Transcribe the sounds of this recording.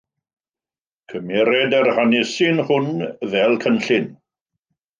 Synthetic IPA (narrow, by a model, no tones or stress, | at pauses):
kʰəmɛɾɛdərhanɪsɪnhʊnvɛlˠkʰənɬɪn